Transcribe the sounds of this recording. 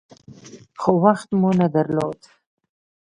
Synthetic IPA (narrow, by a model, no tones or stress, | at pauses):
xowaxt̪munad̪aɾlod̪